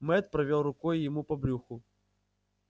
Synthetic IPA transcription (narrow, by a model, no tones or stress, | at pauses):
mɛt̪̚pɾɐvʲolˠrʊkɔjjɪmupɐbɾʲuxʊ